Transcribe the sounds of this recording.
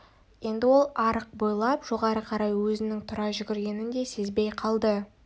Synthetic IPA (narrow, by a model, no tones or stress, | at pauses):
je̞nd̪ɪwo̞lˠɑɾəq̚bojlˠɑpʒ̥o̞ʁɑɾəqʰɑɾɑjwɵzɪnɪŋt̪ʰʊɾɑʒʏɡʲɪɾɡʲe̞nɪnd̪e̞se̞zbe̞jqʰɑlˠd̪ə